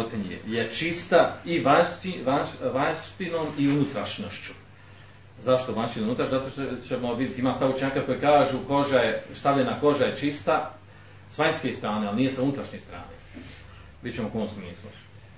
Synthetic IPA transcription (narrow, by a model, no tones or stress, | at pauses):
ot̪iɲijḛjet͡ʃist̪aiʋaiʋaʋat̪ino̞ːmiunut̪ɾaʃnoʃt͡ɕu̥ | zaʃt̪oʋanʃt̪inout̪ɾaʃuzat̪oʃt̪t͡ʃemoʋid̪ʲjet̪imaːst̪aʋot͡ʃɲaːkako̞jekaːʒuko̞ʒaje̞st̪aʋʎenako̞ʒajet͡ʃist̪a | sʋaɲskest̪ɾaːnealnijesaunut̪ɾaʃɲeːst̪ɾa̰ːneː | bidt͡ɕt͡ʃemokonomsmiːslˠṵ